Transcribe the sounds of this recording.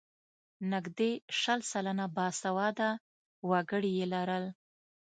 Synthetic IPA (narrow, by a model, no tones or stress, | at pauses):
nɪɡd̪eʃəlsalanabɑsawɑd̪a | waɡəɽijelaɾəl